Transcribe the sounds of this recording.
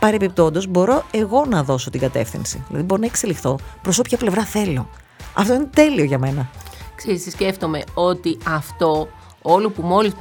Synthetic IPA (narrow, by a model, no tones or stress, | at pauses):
pɐɾe̞pip̚t̪o̞nd̪o̞zbo̞ɾo̞e̞ɣo̞nɐðo̞so̞t̪iŋɡɐt̪e̞̰fθḭnsḭðilɐðibo̞ɾonɐekse̞lixθo̞pɾoso̞pçɐple̞vɾɐθe̞lo̞ | ɐ̰ft̪o̞inet̪e̞lio̞ʝɐme̞nɐkseɾisisce̞ft̪o̞me̞o̞t̪iɐft̪o̞ | olupumo̞lis